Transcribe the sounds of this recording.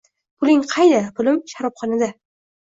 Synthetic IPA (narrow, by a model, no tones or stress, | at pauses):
pʰʊlɪŋqʰɑjd̪apʰʊlɪmʃaɾɒpχɒnad̪a